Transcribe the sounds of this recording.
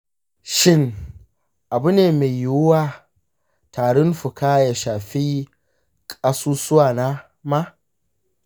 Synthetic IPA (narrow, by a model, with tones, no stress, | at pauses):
ʃɪ˦ŋ | ʔa˨bʊ˦neː˨me˨jjːwʊ˦waː˦˨ | tʰaː˨ɽʊ˦nɸʊ˨kaː˦ja˨ʃaː˨ɸiː˦ | kʼa˦suː˦sʊ˦waː˨naː˦ | ma˦